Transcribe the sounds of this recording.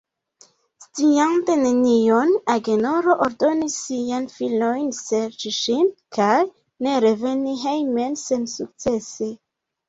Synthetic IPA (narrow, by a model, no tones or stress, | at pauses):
st͡siante̞ne̞nionaɡe̞noɾo̞ʔoɾdo̞nisːianfilmo̞jnse̞ɾt͡ʃiʃinkʰaj | ne̞ɾe̞ve̞niɦejme̞nse̞nsuk̚t͡se̞se̞